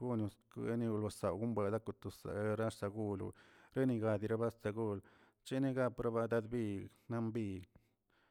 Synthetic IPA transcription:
ɡu˦nu˧skḛ˦ni˧lo˧sa˨wɡu˦mbe˧˨d̪a˦ku˧t̪u˨sa̰˨˧ɾa˦ʂsa˧ɡu˦lṵ˧ɾe˦ni˧ɡa˧d̪i˧ɾa˦ba˦st̪a˧ɡu˦l | t͡ʃe˦ni˦ɡa˦pɾa˦ba˧d̪a˧d̪bi˦na˦mbi˧

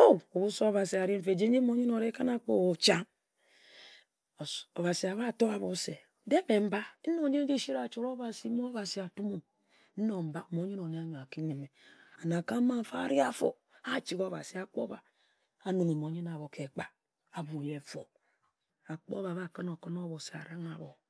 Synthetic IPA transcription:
o˦o˨βu˦so˦o˦βa˨si˨a˨ɾi˦m̩˦fe˨d͡ʒe˦ɲe˦mo˦ɲi˦no˨ɾe˦ka˦na˦k͡po̰˦o˨t͡ʃa˦ŋ˨ | o˨βa˨si˨a˨βa˦˨to˦a˨βo˨˦se˨ | de˦be˨m̩˦ba˦no˦ɲe˦n˦d͡ʒi˦ʃi˦ɾa˨t͡ʃu˦ɾo˦βa˨si˦mo˦βa˨si˨a˨tu˦mo˨ | n̩˦no˨m̩˨ba˦˨mo˨˦ɲi˦no˨ne˦a˦ɲo˨a˨ki˦ne˨me˨a˨na˨ka˦ma˦fa̰˦ɾi˦a˦fo̰˨ | a˦t͡ʃi˨ɡo˦˨βa̰˨si˨a˨k͡po˦ba˨ | a˨no˨ŋe˨mo˨˦ɲe˦na˨βo˨ke˨k͡pa˦ | a˨bu˨je˨˦fo˨ | a˨k͡po̰˦βa˨βa˦kɨ˦no˨kɨ˦no˦βo˨si˨a̰˨ɾa˦ŋa˨βo˨

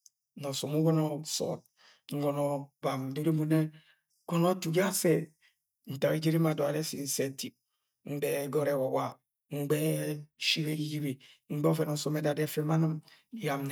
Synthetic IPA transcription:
nɔ˨so˨mu˦ɡɔ˦nɔ˦sɔ̰˨t̚ | ŋ̩˦ɡɔ˨nɔ˨ba˨m˨de˦ɾe˦mu˨ne˦ | kɔ˦no˦tu˨ɡa˦sɛ˦ | n̩˨ta˨i˦d͡ʒi˦ɾi˦ma˨dɔ˨a˨dɛ˦si˨n̩˨se˨ti˨ | ŋ͡m̩˦dɛ˨ɡɔ˦ɾɛ˨wɔ˨wa˨ | ŋ͡m̩˦ɡ͡bɛ˦ʃi˦ɾe˦ɡi˦d͡ʒi˦ɾi˨ | ŋ͡m̩˦ɡ͡bɔ˦fɛ˨nɔ˨so˨mɛ˨˦da˨dɛ˦fɛ˦ma˦na˦m˦ja˨mn˨

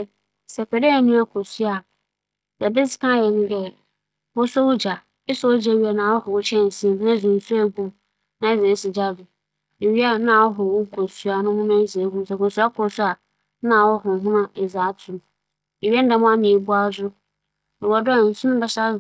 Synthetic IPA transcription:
sɛ˨kɛ˨de˦a˨nũ˦a˨kʰo˨su˦a˨ | sɛ˨bɪ˦sɪ˨kʰã˦˨jɛ˨nʊ̃˦ɡɛ˦ | bɔ˦so˦wʊ˦d͡ʑa˨ | ɪ˦sɔ˦wo˦d͡ʑɛ˦˨ɥi˦a˨nã˨wɔ˦hɔ˨wʊ˦t͡ɕʰɛ̃˦˨n̩˨sĩ˦mnã˦˨zʊ̃˨n̩˨su˦ɛ˦ɡũ˦ | nã˨˦e˦ze˨˦sɪ˨d͡ʑa˦dʊ˨ | e˨ɥi˦a˦nã˨wɔ˦ɦɔ˨wʊ˦kʰo˨su˦a˨nʊ̃˦mʊ̃˦nã˦ze˨˦ɡu˦˨sɛ˨ko˨su˦a˦kʰɔ˨˦su˦a˨ | nã˦˨wɔ˦ɦɔ˨ɦũ˦nã˦ɛ˨za˨˦tʰʊ˨ | e˨ɥɛ˦n̩˦da˨mʊ̃˦a˦nɪ̃˨e˨bu˦a˦zʊ˦ | nã˨wɔ˨dɔ˦˨n̩˨sʊ̃˦nʊ̃˦bɛ˦sa˦˨

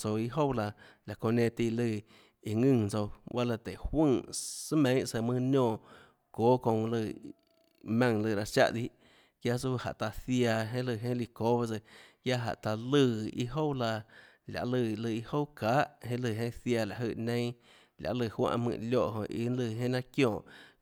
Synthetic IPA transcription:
t͡so˧i˧ɦo˦wla˧la˨kõ˧˨nẽ˧t̪i˧lɨ˧˨ | i˧˨ŋɨ̃˦˧˨t͡so˧wa˦lə˧t̪e˨hwɨ̃ː˦˨sɨ˦mẽ˦sə˧˨mɨ̃˧nõː˧˨ | koː˦kõ˧lɨ˧˨ | mã˧ŋlɨ˧˨ɾa˧ʃa̰˧ʔd̪i˦ʔ | kja˦su˦ha̰˨ʔt̪a˧θja˧ɦẽ˦lɨ˧˨ɦẽ˦li˧ko˦wa˧sə˧kja˦ɦa̰˨ʔt̪a˧lɨ˧ḭ˦ɦo˦wla˧ | lʲa̰˨ʔlɨ˧˨˧lɨ˧˨i˧˦ho˦wkaː˨˦ʔhẽ˦lɨ˧˨ɦẽ˦θja˧˨la˨ʔɦɨ˧˨nẽ˦j̃ | lʲja̰˨ʔlɨ˧˨hwã̰˧ʔmɨ̰̃˧˨ljo˦˧˨ʔɦõ̰˨ʔḭ˧˨˦nlɨ˧˨ɦẽ˦nã˦kjõː˧˨ʔ

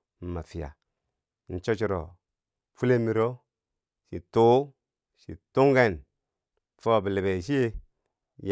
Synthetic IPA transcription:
m̩˨ma˨fi˨ja̰˨ | n̩˨t͡ʃo˦t͡ʃi˨ɾo̰˨ | fu˦le˦mi˨˦ɾo˦ | ʃḭ˨to˦ | ʃḭ˨tu˦ŋɡe˦˨n | fo˦˨bi˨le˨be˨ʃ̬i˦je˦ | j

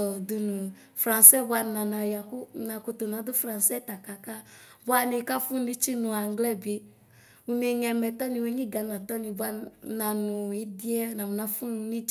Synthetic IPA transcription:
ɔ˨du˧nu˨ | fɾa˨nsɛ˦˨bwa˧˦nã˨na˨ja˨kʊ˦na˨kʊ˧tʊ˨na˨˦dʊ˦fɾã˨nsɛ˦ta˨ka˨ka˦ | bwa˦ni˨ka˦fʊ˦n˦i˦t͡ʃi˦nʊ˨a˨ŋ˦ɡlɛ˦˨be˨ | u˦ne˨ɲɛ˨mɛ˨t̪ɔ˦nĩ˨we˦ɲĩ˦ɡa˨na˨t̪ɔ˦nĩ˨bwa˦na˨nʊ˨i˦di˦ɛ˦nã˨mʊ˨na˨fʊ˦n˧˦ni˦

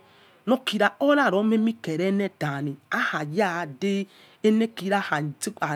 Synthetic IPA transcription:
nɔ˦ki˨ɾa˨o˦ɾa˦˨ɾɔ˨˦me˦mi˦kɛ˨ɾɛ˦nɛ˦da˨ni˨a˦ha˨ja˦˨de˦ | e˦nɛ˦ki˨˦ɾa˦˨ha˨ti˦k͡pa˨

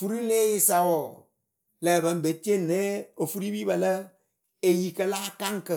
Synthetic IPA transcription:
fu˦ɾi˦le˦jɪ˦sa˨wɔ˨ | lɛ˨bə˨m˦be˨te˦ne˦o˨fu˦ɾi˦bi˦bə˨lə˦ | e˨ji˨kə˨laː˦ka˦ŋ˦kə˨

